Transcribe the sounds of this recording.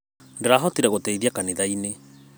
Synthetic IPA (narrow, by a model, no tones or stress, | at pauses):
ndeɾaɦɔtiɾɛɣotɛiðjakaniðaine